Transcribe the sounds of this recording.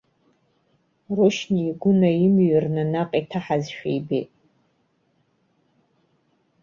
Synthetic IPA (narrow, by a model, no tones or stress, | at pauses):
roʃniːɡʷʊnajɪmɥɨrnanaqʼitʰaħazʃᶣḛjbḛtʼ